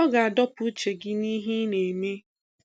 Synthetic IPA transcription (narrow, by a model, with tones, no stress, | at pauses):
ɔ˦ɡa˨a˨dɔ˦pu˦t͡ʃe˨ɡɪ˦ni˦ɦi˦ne˨me˦